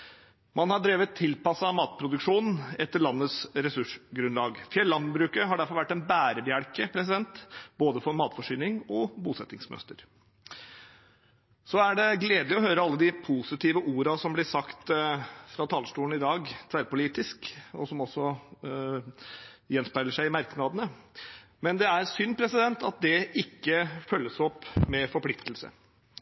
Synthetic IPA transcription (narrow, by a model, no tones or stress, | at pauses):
mʔɑnhɑɖɾeːʋət̪ʰːɪlpɑsɑmɑːt̪̚pʰɾʊd̪ʉkʂuːnn̩ɛt̪ːəɭɑnːəsɾɛsʉʂɡɾʉnlɑːɡfjɛlːɑnbɾʉːkəɦɑɖæɾfɔɾʋæʈːɛnbæːɾəbɪæɽkəpʰɾɛsɪd̪ɛnt̪boːd̪əfɔɾmɑːt̪fɔʂyːnɪŋɔbuːsɛt̪ːɪŋsmœ̰st̪əɾ | sɔæɖɛɡleːd̪ɪɔhøːɾəɑlːəd̪ɪpʰusɪt̪iːʋəʔuːɾɑsɔmblɪsɑkt̪fɾɑːt̪ʰɑːlsʈuːən̩ɪd̪ɑːɡt̪ʰʋæːɾpʊliːt̪ɪskɔsɔmɔsːɔ | jɛnspæɾləʂæɪɪmɑɾknɑd̪ənə | mɛnd̪ɛæɾsʏnːpʰɾɛsɪd̪ɛnt̪ɑt̪̚d̪ɛɪkːəfœlːəsɔpːmɛfɔɾpʰlɪkt̪əlsə̰